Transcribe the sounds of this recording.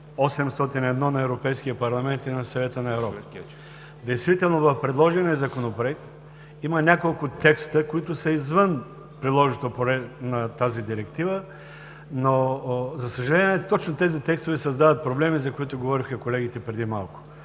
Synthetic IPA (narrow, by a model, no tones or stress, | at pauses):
ɔsɛmst̪ɔt̪inɛd̪nɔnɐɛvɾopɛjskiəpɐɾlˠɐmɛnt̪inɐsɐvɛt̪ənɐɛvɾɔp | d̪ɛjst̪vit̪ɛlˠnovɐfpɾɛd̪lˠɔʒinɛzɐkonopɾoɛk̚t̪ | imənʲakolˠkʊt̪ɛkst̪əkoit̪ʊsɐizvən | pɾid̪lˠɔʒit̪opoɾɛnɐt̪azid̪iɾɛkt̪ivə | nozɐsəʒɐlɛnʲiɛt̪ɔt͡ʃnot̪ɛzit̪ɛkst̪ʊvɛsɐzd̪avət̪̚pɾoblɛmizɐkoit̪ʊɡovɔɾixəkolɛɡ̟it̪ɛpɾɛd̪imalˠkʊ̥